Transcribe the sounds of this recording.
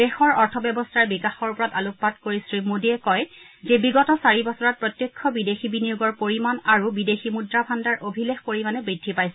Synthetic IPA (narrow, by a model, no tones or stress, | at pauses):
dexɔɹɔɹtʰɔbjɛbɔstʰaɹbikaxɔɹpɔɹataluk̚ːatkoɹisɹimodiɛkɔj | zɛbiɡɔtɔsaɹibɔsɔɹat̚pɹɔtjekʰːɔbidexibinijuɡɔɹpoɹimanaɹubideximudɹabʱandaɹʔobʱilexpoɹimanɛbɹidʱːipajsɛ